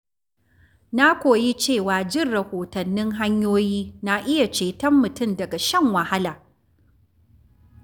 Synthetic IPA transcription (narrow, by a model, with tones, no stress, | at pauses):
na˦kʷoː˨ji˦t͡ʃeː˦˨waː˨d͡ʒɪ˦˨rɽɐ˨hoː˨tɐ˨nːɪ˦ŋɦa˦ɲjoː˦jiː˦na˦ʔɪ˦ja˨t͡ʃeː˨tɐ˦mːʊ˨tʊ˦mdɐ˨ɡa˨ʃɐ˦ŋwɐ˨ha˦laː˨